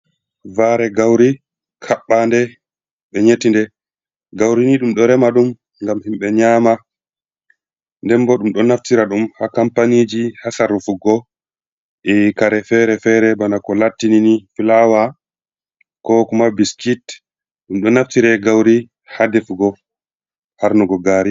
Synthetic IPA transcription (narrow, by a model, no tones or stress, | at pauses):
vaɾɛɡawɾi | kʰaɓːandɛ | ɓɛɲetindɛ | ɡawɾiniɗumɗɔɾɛmaɗum | ŋɡamhimɓɛɲaːma | ndɛmbɔɗumɗɔnaftiɾaɗumhakampanid͡ʒihasaɾufuɡɔ | ʔɛkaɾɛfɛɾɛfɛɾɛbanakɔlatːininifilawa | kɔkumabiskit | ɗumɗɔnaftiɾɛɡawɾi | hadɛfuɡɔ | haɾnuɡɔɡaːɾi